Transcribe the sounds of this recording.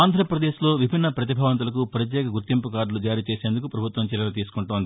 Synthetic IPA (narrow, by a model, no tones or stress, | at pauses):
aːnd̪ʱɾɐpɾɐd̪eːʃlo̞ːʋibʱinːɐpɾɐt̪̬ibʱaːʋɐnt̪̬ulɐkupɾɐt̪̬jɛːkɐɡuɾt̪impukaːɾlud͡ʒaːɾiːt͡ʃe̞ːseːnd̪ukupɾɐbʱut̪ʋɐmt͡ʃiljɐlɐt̪iːsu̥kuɳʈoːnd̪i